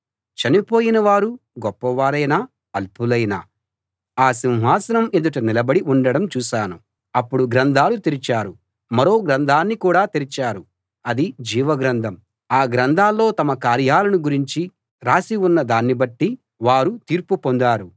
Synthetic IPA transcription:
t͡ʃɐnipo̞ːjinɐʋaːɾuɡɔpːɐʋaːɾɐjnaː | ɐlpulɐjna̰ː | aːs̬inɦaːsɐnɐmed̪uʈɐnilɐbɐɽiʔuɳɖɐɽɐmt͡ʃuːʃaːnu | ɐpːuɽuɡɾɐnd̪ʱaːlut̪iɾit͡ʃaːɾu | mɐɾo̞ːɡɾɐnd̪ʱaːnːikuːɽaːt̪iɾit͡ʃaːɾu | ɐd̪id͡ʒiːʋɐɡɾɐnd̪ʱɐm | aːɡɾɐnd̪ʱaːlːo̞ːt̪ɐmɐkaːɾjaːlɐnuɡuɾiɲt͡ʃi | ɾaːsiunːɐd̪aːnːibɐʈːi | ʋaːɾut̪iːɾpupond̪aːɾu

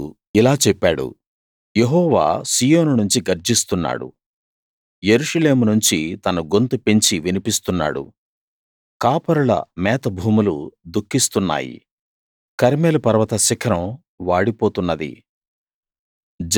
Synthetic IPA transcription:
ilaːt͡ʃɛpːaːɽṵ | jeɦɔːʋa̰ːsiːjoːnunuɲt͡ʃiɡɐɾd͡ʒist̪unːa̰ːɽṵ | jeɾuʂɐle̞ːmunuɲt͡ʃit̪ɐnuɡo̞nt̪upe̞ɲt͡ʃiʋinipist̪unːa̰ːɽṵ | kaːpɐɾuɭɐ̰mɛːt̪ɐbʱuːmulud̪ukʰːist̪unːa̰ːjḭ | kɐɾmeːlupɐɾʋɐt̪ɐsikʰɾɐm | ʋaːɽipoːt̪unːɐd̪ḭ | d͡ʒ

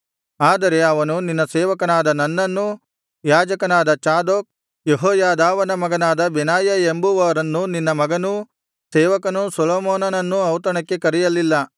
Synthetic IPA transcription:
aːd̪ɐɾe̞ɐʋɐnuninːɐsɛːʋɐkɐnaːd̪ɐnɐnːɐnːu | jaːd͡ʒɐkɐnaːd̪ɐt͡ʃaːd̪oːk̚ | jeɦoːjaːd̪aːʋɐnɐmɐɡɐnaːd̪ɐbenaːjɐembuʋɐːɾɐnːuninːɐmɐɡɐnu | sɛːʋɐkɐnusɐloːmoːnɐnɐnːuɐwt̪̬ɐɳɐkːe̞kɐɾijɐlːilːɐ

